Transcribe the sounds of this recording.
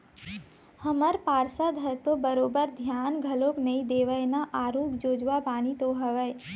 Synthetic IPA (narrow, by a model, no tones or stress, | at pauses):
hɐməɾpaːɾsəd̪ʱɐt̪obəɾoːbəɾd̪ʱjaːnɡʱɐloːknɐĩd̪eːʋəjnaʔaːɾoːkd͡ʒoːd͡ʒʋabaːnit̪oɦɐʋəj